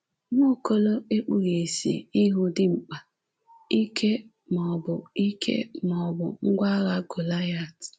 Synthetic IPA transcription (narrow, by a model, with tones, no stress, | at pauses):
ŋo˦˨ko˦lo˦e˦k͡pu˦˨ɣe˨sḭ˨i˦ɦʊ˦dɪ˦ŋ͡m̩˨k͡pa˨ | i˦kʰe˦ | m˨ɔ˨bʊ˨i˦kʰḛ˦mɔ˨bʊ˨ŋ̩˦ɡʷa˦ɣa˦ɡo˨la˦ja˦˨t